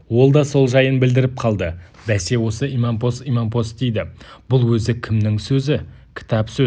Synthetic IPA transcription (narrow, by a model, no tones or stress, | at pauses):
wo̞lˠd̪ɑso̞lˠʒɑjənbɪld̪ɪɾɪp̚qʰɑlˠd̪ə | d̪æse̞wo̞səimɑmpo̞st̪imɑmpʰo̞st̪̚d̪ejd̪ɪb̥ʊlˠwɵzɪkʲʰɪmnɪŋsɵzɪ | kʲʰɪ̥t̪ɑpsɵ